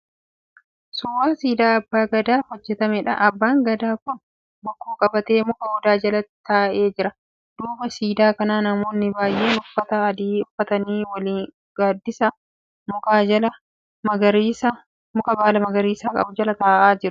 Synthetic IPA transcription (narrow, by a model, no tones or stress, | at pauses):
sʊwaːsiːd̪aːɐbːaːɡɐd̪aːhɔd͡ʒːɛt̪ɐmɛᶑɐ̰ʔɐbːaːŋɡɐd̪aːkʊn | bɐkːoːkʼɐbɐt̪e̞ːmʊkɐɔd̪aːd͡ʒɐlɐt̪aːʔe̞ːd͡ʒɪɾɐ | d̪̥uːbɐsiːd̪aːkɐnaːnɐmo̞ːnːɪbaːjʔe̞ːnʊfːɐt̪ɐːd̪iːʊfːɐt̪ɐniːwɐliːŋ | ɡaːd̪ːɪsɐ | mʊkaːɐlɐ | mɐɡɐɾsɐ | mʊkɐbaːlɐmɐɡɐɾiːsaːkʼɐ̰bʊd͡ʒɐlɐt̪aːʔaːd͡ʒɪɾʊ